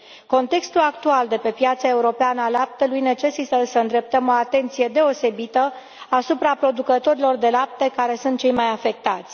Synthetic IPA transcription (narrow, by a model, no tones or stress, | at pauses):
ko̞nt̪e̞kst̪ulakt̪uald̪e̞pe̞pjat̪sae̞uɾo̞peanəalap̚t̪əlujne̞t͡ʃe̞sit̪əsəɨnd̪ɾe̞p̚t̪əmo̞at̪e̞nt̪sije̞d̪e̞o̞se̞bit̪ə | asupɾapɾo̞d̪ukət̪o̞ɾilo̞rd̪e̞lap̚t̪ekaɾe̞sunt̪̚t͡ʃe̞jmajafe̞k̚t̪at̪sʲ